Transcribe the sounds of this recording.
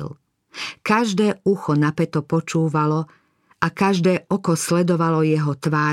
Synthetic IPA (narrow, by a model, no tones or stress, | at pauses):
l | kaʒd̪ɛːuxɔnapɛt̪ɔpɔt͡ʃuːʋalɔ | ʔakaʒd̪ɛːʔɔkɔslɛd̪ɔʋalɔjɛɦɔt̪ʋaː